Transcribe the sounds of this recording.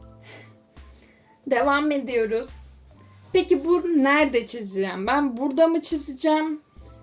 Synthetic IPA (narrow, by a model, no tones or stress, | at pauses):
d̪e̞vame̞d̪ijo̞ɾuz̥ | pe̞cibunæɾd̪ɛt͡ʃʰizijæmbænbuɾd̪amɯt͡ʃʰizɯd͡ʒɛm